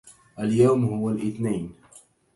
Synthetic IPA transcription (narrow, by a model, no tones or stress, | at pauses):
ʔaljawmhʊwalʔɪθnaːn